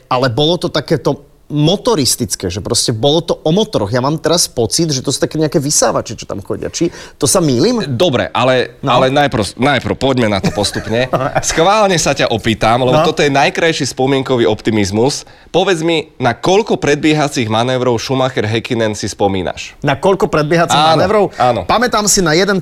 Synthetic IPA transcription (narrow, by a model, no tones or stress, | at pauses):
alɛbɔlɔt̪ɔt̪akɛːt̪ɔ | mɔt̪ɔɾist̪it͡skɛːʒɛpɾɔscɛbɔlɔt̪ɔʔɔmɔt̪ɔɾɔɣjamaːmt̪ɛɾaspɔt͡sid̪ʒɛt̪ɔsu̥t̪akɛːɲɛakɛːʋisaːʋat͡ʃɛt͡ʃɔ̥t̪a̰mxɔ̰ɟɪa̰t͡ʃit̪ɔsamiːlimd̪ɔbɾɛ̰ʔalɛnalɛnajpɾnajpɾpɔɟmɛnat̪ɔpɔst̪upɲɛsxʋaːlɲɛsacaʔɔpiːt̪amlɛbɔt̪ɔt̪ɔjɛnajkɾajʃispɔmɪɛŋkɔʋiɔpt̪imizmus | pɔʋɛd͡zminakɔʎkɔpɾɛd̪̚bɪɛɦat͡siɣmanɛːʋɾɔʊʃumaxɛɾɦɛkinɛnsispɔmḭːna̰ʃnakɔʎkɔpɾɛd̪bɪɛɦat͡siamanɛʋɾɔʊaːnɔpamɛt̪aːmsinajɛd̪ɛn